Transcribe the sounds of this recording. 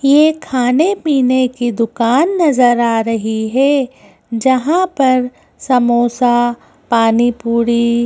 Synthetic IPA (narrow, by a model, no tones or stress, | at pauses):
jekʰaːnepiːnekid̪ʊkaːnːɐzəɾaːɾɐɦiɦɛ | d͡ʒɐɦãpɐɾ | sɐmoːsa | paːnipuːɽi